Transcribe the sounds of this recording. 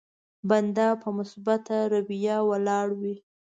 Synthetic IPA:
band̪ɑpəmʊsbat̪aɾabijɑwəlɑɽwi

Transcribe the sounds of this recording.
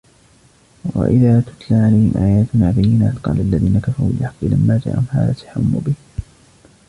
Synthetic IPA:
wa̰ʔɪðaːt̪ʊ̥t̪laːʕalajhɪmʔaːjaːt̪ʊnaːbajːɪnaːt̪qɑ̰ːlaʔalːaðiːnakafaɾṵːɪħɑqːilamːaːd͡ʒa̰ːʔa̰hʊmha̰ːða̰t̪ḁħamːṵːbɪhɪ

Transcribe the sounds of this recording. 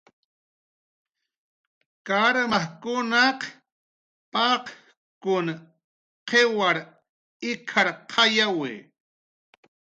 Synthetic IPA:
kaɾmaχkʊnɑq | pɑq | kʊn | qewaɾ | ɪkʰaɾqʰɑjawɪ̰

